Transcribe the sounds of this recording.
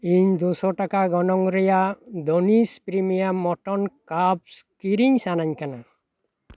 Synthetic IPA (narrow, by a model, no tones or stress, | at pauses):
iɲd̪usɔʈakaɡɔnɔŋɾɛjad̪onispɾimijamɔʈɔnkab̚skiɾiɲsanaɲkana